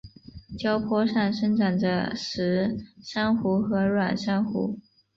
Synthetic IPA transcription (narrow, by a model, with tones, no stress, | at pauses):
t͡ɕjɑ˥ʊpʰwɔ˥ʂa˥˩nʂə˥ŋʈ͡ʂʰa˨˩ndə̰˦ʂɻ̩˧˥ʂa˥nxu˧˥xɤ˧˥ɻwa˨˩nʂa˥nxṵ˧˥